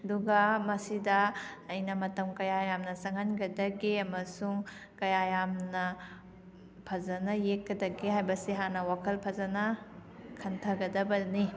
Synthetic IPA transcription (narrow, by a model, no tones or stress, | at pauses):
ɐduɡɐmɐsidɐːjnɐmɐtɐmkɐjajamnɐsɐŋɦɐnɡɐdɐɡeɐmɐsuŋ | kɐjajamnɐ | pʰɐzɐnɐjekːɐdɐɡeɦajbɐsiɦanɐwakʰɐlpʰɐzɐnɐkʰɐntʰɐɡɐdɐbɐni